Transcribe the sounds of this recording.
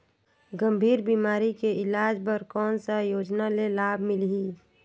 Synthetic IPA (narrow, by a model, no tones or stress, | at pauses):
ɡəmbʱiːɾbimaːɾikeɪlaːd͡ʒpəɾkɔːnsajoːd͡ʒnalelaːbʱmɪliː